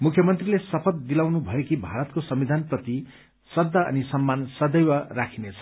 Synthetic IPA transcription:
mukʰjʌmʌnt̪rilesʌpʰʌt̪̚d̪ilawnubʱʌekibʱaɾʌt̪̚kosʌmbid̪ʱanprʌt̪i | sʌd̪ːaʌ̰nisʌmːansʌd̪ʌjwarakʰinet͡sʰʌ̥

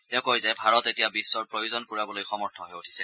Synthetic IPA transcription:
tɛʊ̃kojzajbʱaɹɔtetijabisːɔɹpɹojozɔnkoɹiabɔlojxɔmɔɹtʰɔɦɛjotʰi̥sɛ

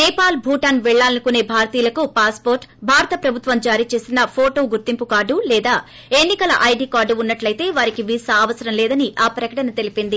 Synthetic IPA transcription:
nɛːpaːlbʱuːʈɐːnʋɛɭːaːlɐnukune̞ːbʱaːɾt̪iːlɐkupaːspo̞ːɾʈbʱaːɾɐt̪ɐpɾɐbʱut̪ʋɐmd͡ʒaːɾiːt͡ʃe̞ːsinɐpʰoːʈo̞ːɡuɾt̪impukaːɖulɛːd̪aː | e̞nːikɐlɐʔɐjɖiːkaːɖuunːɐʈlɐjt̪e̞ːʋaːɾikiʋiːsɐːʋɐsɐɾɐmlɛːd̪ɐniʔaːpɾɐkɐʈɐnɐt̪e̞lipind̪i

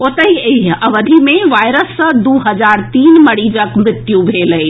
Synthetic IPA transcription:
ot̪əɦiiɦəʋəd̪ʱimeʋajɾəsːə̃d̪uɦəd͡ʒaɾt̪iːnməɽid͡ʒəkmɾɪt̪jubʱeləj

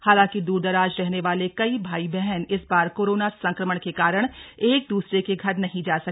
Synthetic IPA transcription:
haːlãːŋkid̪uːɾd̪ɐɾaːd͡ʒɾɛɦneʋaːlekɐibʱaːibɛɦɛnɪsbaːɾkoːɾoːnasɐ̃ŋkɾəməɽ̃kekaːɾəɽ̃eːk̚d̪uːsɾekeɡʱɐɾnɐɦĩd͡ʒaːsɐ

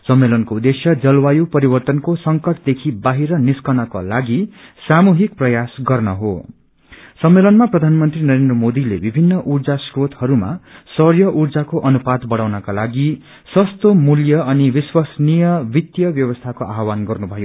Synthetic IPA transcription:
sʌmːelʌnkoud̪ːesjʌd͡zʌlwajupʌɾibʌrt̪ʌnkosʌŋkʌʈd̪ekʰibaɦiɾʌniskʌnʌko̰laɡisamuɦik̚prʌjasɡʌrnʌɦo | sʌmːelʌnmaprʌd̪ʱanmʌnt̪rinʌɾend̪rʌmod̪ilebibʱinːʌʔurd͡zasrot̪hʌɾuma̰sʌrjʌʔurd͡zakoʔʌnupad̪bʌɽawnakalaɡi | sʌst̪omuljʌʌniwiswasnijʌbit̪jʌbjʌwʌst̪ʰakoʔaɦwanɡʌrnubʱʌjo

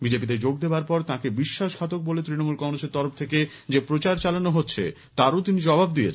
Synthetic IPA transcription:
bid͡ʑepid̪eɾd͡ʑoɡd̪ebaɾpɔɾt̪ãkebiʃːaʃkʰat̪ok̚bolet̪ɾinomulkɔŋɾoseɾt̪ɔɾoft̪ʰeke | d͡ʑepɾot͡ɕaɾt͡ɕalanoɦotːɕʰḛ | t̪aɾot̪inid͡ʑɔbabd̪ijḛt͡ɕʰ

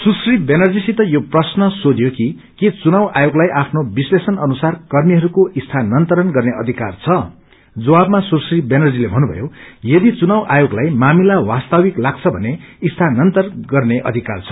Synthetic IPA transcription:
susribenʌrd͡zisit̪ʌjoprʌsnʌsod̪joki | ket͡sunawʔajoɡlajʔapʰnobislesʌnʌnusarkʌrmiɦʌɾukoʔist̪ʰanʌnt̪ʌɾʌnɡʌrneʌd̪ʱikart͡sʰʌ | d͡zʌwabmasursribenʌrd͡zilebʱʌnːubʱʌ̰jojʌd̪it͡sunawʔajoɡlajmamilawast̪awiklaɡt͡sʰʌbʱʌ̰neist̪ʰanʌnt̪ʌrɡʌrneʔʌ̰d̪ʱika̰rt͡sʰʌ̥

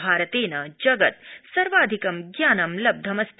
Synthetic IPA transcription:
bʱaːɾɐt̪eːnɐd͡ʒɐɡɐt̪sɐɾʋaːd̪ʱikɐmɡjaːnɐmlɐb̚d̪ʱɐmɐst̪

